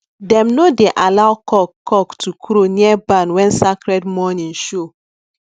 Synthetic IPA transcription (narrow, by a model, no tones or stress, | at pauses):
dɛ̃mnodeʔalawkɔkːɔktʰukɾoniɛbanwɛ̃nsakɾɛdmɔnĩnʃo